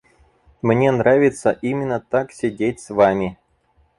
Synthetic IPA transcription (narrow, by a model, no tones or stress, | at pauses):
mnʲenɾavʲɪt̪səʔimʲɪnːət̪aksʲɪdʲet̚ʲsvamʲɪ